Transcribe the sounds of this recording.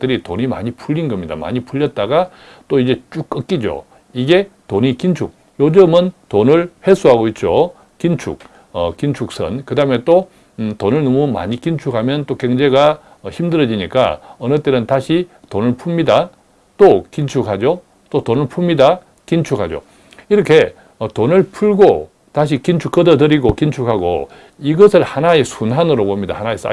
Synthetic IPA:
dɯɾitoɲima̰ɲipʰuʎːinɡʌmɲida̰ma̰ɲipʰuʎːʌt̚t͈aɡa | t͈oid͡ʑe̞t͡ɕ͈uk̚k͈ːʌk͈id͡ʑo̰ | iɡe̞toɲikint͡ɕʰuk̚ | jod͡ʑɯmɯntonɯɭɸes͈uɦaɡoit̚t͡ɕ͈o | kint͡ɕʰṵk̚ | ʌkint͡ɕʰuk̚s͈ʰʌ̰nkɯdaɦɯme̞t͈o | tonɯɭnʌmuma̰ɲikint͡ɕʰukhamjʌnt͈okeŋd͡ʑe̞ɡa | çimdɯɾʌd͡ʑiɲik͈a̰ʌnɯt͈e̞nɯntaɕʰitonɯɭpʰumɲida | t͈okint͡ɕʰukhad͡ʑo | t͈otonɯɭpʰumɲida | kint͡ɕʰukhad͡ʑo̰ | iɾʌkʰe̞ | ʌtonɯɭpʰuɭɡo | taɕ̬ʰikint͡ɕʰuk͈ːʌdʌdɯɾiɡokint͡ɕʰukhaɡo̰ | iɡʌsʰɯɭhanaesʰunɦanɯɾobomɲida̰hanaes͈a̰

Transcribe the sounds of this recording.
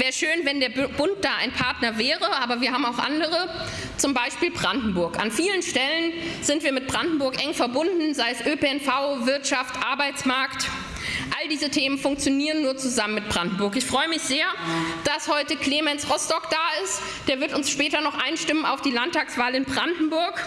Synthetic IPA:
vɛːʃøːnvɛndeːɐbʊnt̚d̥aːa̰ɪnpʰaɐtnɐvɛːʁəʔaːbɐviːɐɦaːm̩aʊxʔa̰ndəʁ̞ə | t͡sʊmbaɪʃpiːlbʁandn̩bʊɐka̰nfiːlənʃtɛlənz̥ɪntv̥iːɐmɪt̚b̥ʁandn̩bʊɐkʔɛŋfɛɐbʊndn̩zaɪəsʔøpeɛnfaʊvɪɐtʃaftʔaɐbaɪt͡smaɐkt | ʔaldiːzətʰeːmənfʊŋk̚t͡sjoniːʁənːuːɐt͡suzamənmɪt̚b̥ʁandn̩bʊɐk̬ɪçfʁ̥ɔʏəmɪçz̥eːɐd̥ashɔʏtəkl̥eːmɛnsʁɔstɔkd̥aːɪst | d̥eːɐvɪɐtʊnsʃpɛːtɐnɔχʔaɪnʃtɪməna̰ʊfd̥iːlantʰaːksv̥aːlɪnbʁandn̩bʊɐk

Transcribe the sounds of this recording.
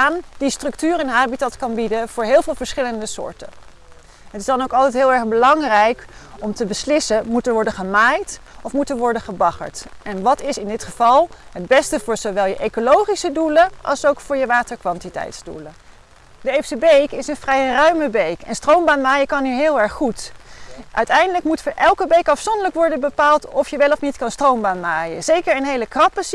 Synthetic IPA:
aːndistrɵktyːrɛnɦaːbitɑtkɑnbidəv̥ʊːɹɦɪːlˠvɪːlˠvəɹsχɪləndəsʊ̰ːɹtə̰ | ɦətɪsdɑnowkɑlˠtɛjtɦɪːlˠɛɹχbəlɑŋrɛjkɔmtəbəslɪsəmutənʋɔɹdəχəmaːjtɔfmutənʋɔɹdəχəbɑχə̰ɹtɛnʋɑtɪsɪndɪtχəv̥ɑlˠɦəd̚bɛstəvʊːɹzoʋɛlˠjəʔekolowχisəduləʔɑ̰lˠsowkfʊːɹjəʋaːtəɹkʋɑntitɛ̰jtzdṵlə | dəefsəbejkɪsənfrɛjrœɥməbejkɛnstrowmbaːnmaːjəkɑniɹɦɪːlˠɛɹχːut | ʔœ̰ɥtɛjndələkmutfʊːɹʔɛlˠkəbejkɑfsɔndələkʋɔɹdənbəpaːlˠtɔfjəʋɛlɔfnitkɑnstrowmbaːnmaːjə̰zejkəɹənɦejləkrɑpəs

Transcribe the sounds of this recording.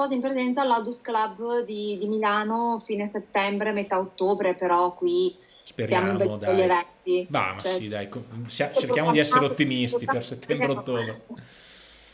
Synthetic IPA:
ɔːzaimpɾezɛnt̪salːawd̪usklabd̪id̪imilaːnofiːneaset̪ːɛmbɾemet̪aot̪ːoːbɾepeɾɔkːwi | spesɾjaːmoimbed̪eʎːevɛt̪iba̰ma̰sɛsid̪a̰jkosjat͡ʃerkjaːmod̪iɛsːeɾeot̪ːimist̪iperset̪ːɛmbɾeot̪ːoːbɾe

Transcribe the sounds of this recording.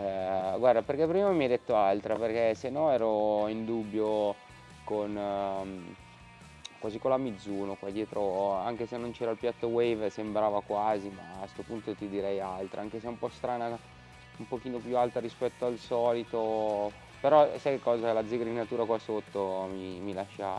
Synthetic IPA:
ɛɡward̪aperk̟epːɾiːmamiɛjd̪et̪ːoalt̪ɾaperk̟esenːɔɛːɾoind̪ubːjo | kon | kwaːzikonlamid̪zːuːnokwad̪jɛːt̪ɾoaŋk̟esenːont͡ʃɛːɾailpjat̪ːowejvsembɾaːvakwaːzima̰a̰ːst̪opunt̪ot̪id̪iɾɛjalt̪ɾa̰aŋkeseɛumpɔst̪ɾaːna | umpok̟iːnopjualt̪aɾispɛt̪ːoalsɔːlit̪o | peɾɔsajkekːɔːzalad̪ziɡɾad̪inat̪uːɾakwasot̪ːomimilaʃːa

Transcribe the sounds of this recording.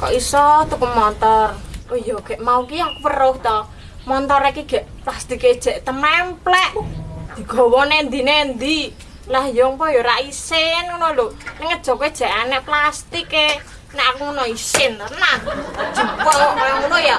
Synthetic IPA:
kɔ̰ʔisɔt̪ukəmɔnt̪ɔrujɔɡ̥ɛ̤ʔmaukiakupərʊht̪ɔ | mɔnt̪ɔɾikiɡ̥ɛʔplast̪iked̥ʒ̥ɛ̤ʔt̪əmɛmplɛʔd̪̥i̤ɡ̥ɔ̤wɔnend̪inend̪i | lahjɔŋpɔjoɾaʔisɪnkloloniŋət̪̚d̥ʒ̥ɔ̤kɔ̥ʒ̥ɛ̤ʔanɛʔplast̪ike | naʔakuunɔisɪnənan̥ʒ̥ṳpɔaŋunoja

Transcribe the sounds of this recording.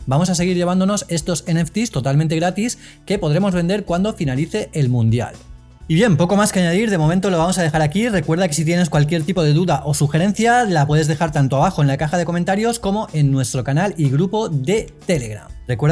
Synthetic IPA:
bamo̞sase̞ɣ̞iɾʎe̞βand̪o̞no̞se̞st̪o̞seneft̪ist̪o̞t̪alment̪e̞ɣɾat̪is | ke̞po̞ðɾe̞mo̞zβe̞nd̪e̞ɾkwand̪o̞finaliθe̞ʔelmũnd̪ja̰l | iβje̞mpo̞ko̞maske̞aɲað̞iɾð̞e̞mo̞ment̪o̞lo̞βamo̞sað̞e̞xaɾakire̞kwe̞ɾð̞ake̞sit̪̬je̞ne̞skwalk̬je̞ɾt̪ipo̞ð̞e̞ðuðaʔo̞suxe̞ɾẽ̞n̟θjalapweðe̞zðexaɾt̪ant̪oaβaxo̞e̞nlakaxað̞e̞ko̞ment̪aɾjo̞sko̞mo̞ʔe̞nːwe̞st̪ɾo̞kanaliɣɾupo̞ðe̞t̪e̞le̞ɣɾa̰mrekweɾ

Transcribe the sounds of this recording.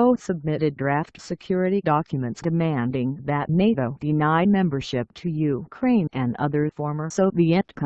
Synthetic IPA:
oʊsɨb̚mɪɾɨd̚ɹæftsɨkʰj̥ʊɹɨɾidɑkʰjɨmɨ̃ntsd̥ɨmæ̃ndɪ̃ŋðɨtⁿneɪɾoʊd̥ɨnaɪd̚mɛ̃mbə˞ʃɪp̚tʰɨjʉkʰɹ̥ẽɪ̃nɨ̃nʌ̰ðə˞fɔɹmə˞soʊðiɛ̃nkʰ

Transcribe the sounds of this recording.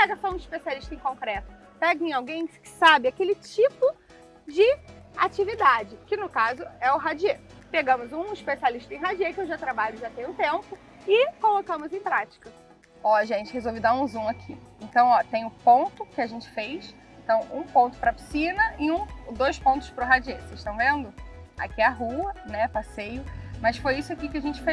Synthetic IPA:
pɛɡɐsɔũiʃpesialiʃt̪ɐẽj̃kõŋkɾɛt̪ʊ̥ | pɛɡẽẽawɡẽj̃skɪ̥sabɪakelɪt͡ʃipʊ | d͡ʒɪat͡ʃivid̪ad͡ʒɪkɪnʊkazʊɛʊɦad͡ʒiepeɡɐ̃mʊzũiʃpesialiʃt̪ɐẽj̃ɦad͡ʒiekɪewʒat̪ɾabaʎʊʒat̪ẽj̃ũt̪ẽmpʊ | ɪkolokɐ̃mʊzẽj̃pɾat͡ʃi̥kɐ | ɔʒẽnt͡ʃɪhezowvɪd̪aũzũakʰiẽnt̪ɐ̃w̃ɔt̪ẽj̃ʊpõnt̪ʊkɪaʒẽnt͡ʃɪ̥fejs | ẽt̪ɐ̃w̃ṵ̃põnt̪ʊ̥pɾɐpi̥sĩnɐʔɪũd̪ojspõnt̪ʊ̥spɾʊɦad͡ʒieseʃt̪ɐ̃w̃vẽnd̪ʊa̰kiɐɦuɐnɛpasejʊmɐsfojisʊakikɪaʒẽnt͡ʃɪfe

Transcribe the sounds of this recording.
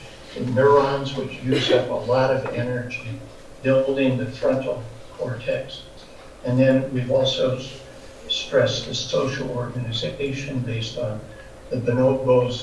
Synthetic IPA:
ðɨnʊ˞ɑ̃nzwɨt͡ʃjʉzʌpəlɔɾʌvɛnə˞d͡ʒi | b̥ɪlˠdɪ̃ŋðɨfɹʌ̃ntʰl̩ˠ | kʰɔɹtʰɛks | ɨ̃nðɨ̃nwivɔlˠsoʊ | stɹ̥ɛsðɨsoʊʃl̩ˠɔɹɡɨnɨzɨkeɪʃɨ̃nbeɪstn̩ | ðɨt̪ð̚ɨnoʊt̚boʊz

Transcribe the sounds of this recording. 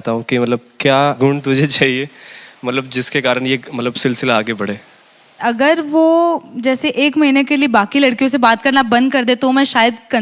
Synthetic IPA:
t̪aɦũkimɐt̪ləb̚kjaːɡʱʊɳɖt̪ʊd͡ʒʱet͡ʃaːɦiemɐt̪ləb̚d͡ʒɪskekaːɾəɳ̃jemɐt̪ləbsɪlsɪlaaːɡebɐɽeː | ɐɡəɾʋoːd͡ʒɛːseʔeːkmɐɦiːnekeliebaːkilɐɽkijõsebaːt̪kɐɾnabɐ̃nd̪̚kɐɾd̪et̪omɛ̃ʃaːjəd̪kɐ̃

